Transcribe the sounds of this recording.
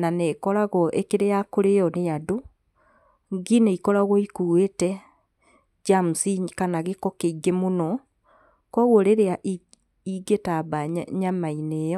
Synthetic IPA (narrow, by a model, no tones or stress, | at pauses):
nanekɔɾaɣɔʔekeɾejakoɾejɔnejado | ŋɡineikɔɾaɣɔikuwetɛ | d͡ʒamusikanaɣekɔkeiɡemonɔ | kɔɣwoɾeɾeaʔ | iɡetaβaɲamainejɔ